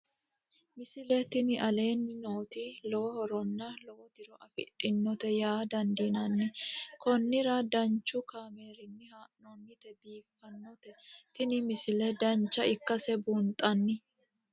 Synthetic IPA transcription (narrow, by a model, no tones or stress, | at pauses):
mɪsɪlɛt̪ɪnɪʔɐle̞ːnːɪno̞ːt̪ilɔwɔhɔɾɔnːɐlɔwɔt̪ɪɾɔʔɐfɪ̰ᶑʼɪnːɔt̪ɛjaːd̪ɐnd̪iːnɐnːɪkɔnːɪɾɐd̪ɐnt͡ʃːʊkaːme̞ːɾɪnːɪhaʔnɔnːɪt̪ɛbiːfːɐnːɔt̪ɛt̪ɪnɪmɪsɪlɛd̪ɐnt͡ʃːɐɪkːɐsɛbunt̪ʼɐnːɪ